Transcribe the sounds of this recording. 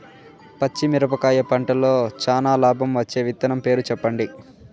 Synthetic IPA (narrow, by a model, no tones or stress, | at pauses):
pɐt͡ʃːimiɾɐpɐkaːjɐpɐɳʈɐloːt͡ʃaːnaːlaːbʱɐmʋɐt͡ʃːe̞ːʋit̪ːɐnɐmpe̞ːɾut͡ʃɛpːɐɳɖi